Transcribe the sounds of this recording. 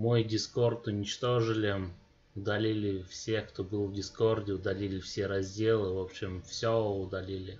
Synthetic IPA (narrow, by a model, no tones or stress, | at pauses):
mo̞jdʲɪsko̞rt̪ʊnʲɪt͡ɕt̪o̞ʐɨlʲɪ | ʊd̪ɐlʲilʲɪfsʲe̞kt̪o̞bɨlˠvdʲɪsko̞rdʲɪʊd̪ɐlʲilʲɪfsʲeɾɐzʲdʲe̞lˠɨvopɕːɪmfsʲoʊd̪ɐlʲilʲɪ